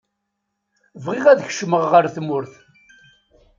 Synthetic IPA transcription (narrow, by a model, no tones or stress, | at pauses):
vʁiʁæðəçʃməʁʁəɾθmʊɾθ